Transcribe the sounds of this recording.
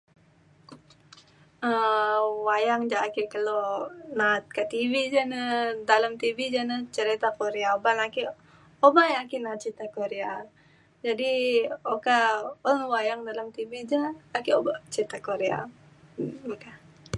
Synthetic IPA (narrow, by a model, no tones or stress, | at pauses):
əwajaŋd͡ʒaːkikəlonat̪̚kat̪ivid͡ʒanədalamt̪ivid͡ʒanət͡ʃəɾit̪akoɾeaobanaki | obajakinat̪̚t͡ʃit̪akoɾea | d͡ʒadiokaonwajaŋdalamt̪ibid͡ʒaːkiobat͡ʃit̪akoɾea̰ | oka